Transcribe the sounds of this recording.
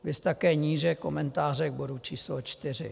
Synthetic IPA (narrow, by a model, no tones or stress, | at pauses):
vɪst̪akɛːɲiːʒɛko̞mɛnt̪aːr̝ɛɣbodut͡ʃiːslot͡ʃt̪ɪr̝ɪ̰